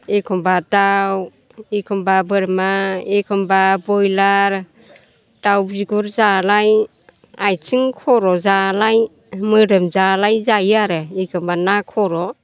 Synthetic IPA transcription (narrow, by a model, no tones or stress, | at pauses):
ekʰɔmbataw | ekʰɔmbabɯɾmaekʰɔmbabɔjlaɾ | tawziɡuɾzalaj | ajt͡ʃʰiŋkʰɔɾɔzalaj | mɯɾɯmzalajzajaɾɯikʰɯmbanakʰɔɾɔ